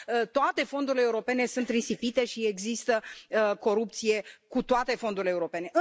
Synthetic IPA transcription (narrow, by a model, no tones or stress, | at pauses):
ət̪oat̪e̞fo̞nd̪uɾileːuɾo̞pe̞ne̞sunt̪risipit̪e̞ʃieɡzist̪əko̞ɾup̚t̪sije̞kut̪oat̪e̞fo̞nd̪uɾileːuɾo̞pe̞ne̞ʔɨ